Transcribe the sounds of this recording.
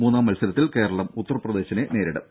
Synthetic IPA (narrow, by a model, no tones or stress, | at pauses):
muːnːaːmːɐlsɐɾɐt̪ːilke̞ːɾɐɭɐmut̪ːɐrprɐd̪e̞ːɕɐne̞ne̞ːɾiɽɐ̰